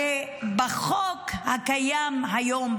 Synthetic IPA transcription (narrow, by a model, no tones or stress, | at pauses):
ebaχokhakajamɦajom